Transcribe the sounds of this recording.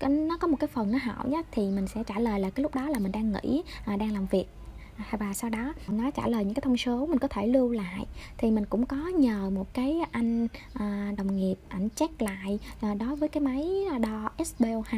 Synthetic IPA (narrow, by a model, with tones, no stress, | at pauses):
nɔ˨˦kɔ˨˦mo˨˩t̚kaː˨˦jfə˨˩nːɔ˨˦ɦa̰˧˩wɲa˨˦t̪ʰi˨˩mï˨˩ŋ̟sɛ̰˧˥t͡ɕaː˧˩ləː˨˩jlaː˨˩kaː˨˦lʊ˦˥k͡p̚ɗɔ˨˦laː˨˩mï˨˩ŋ̟ɗaː˧ŋːḭ˧˥ʔaː˨˩ɗaː˧ŋlaː˨˩mvi˨˩ək̚ | jvaː˨˩sa˧wɗɔ˨˦nɔ˨˦t͡ɕa̰ː˧˩ləː˨˩jɨ̰˧˥ŋkːt̪ʰŋ͡msə˨˦wmï̟˨˩kɔ˨˦t̪ʰe˧˩lɨ˧wla̰ː˧˨jt̪ʰi˨˩mï˨˩ŋ̟kʊ̰˧˥ŋ͡mkɔ˨˦ɲəː˨˩mo˨˩t̚kaː˨˦jʔa˧jŋ̟ʔaː˨˩ɗə˨˩wŋ͡mŋi˨˩əp̚ʔa˧˩jŋ̟t͡ɕɛ˦˥k̚la̰ː˧˨jʔːɗo˨˦jvəː˨˦jkaː˨˦jma˨˦jɗɔ˧ʔɛ˦˥sɓe˧whaː˧